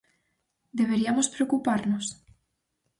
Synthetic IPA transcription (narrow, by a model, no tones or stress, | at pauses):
d̪eβ̞eɾiamospɾeokupaɾnos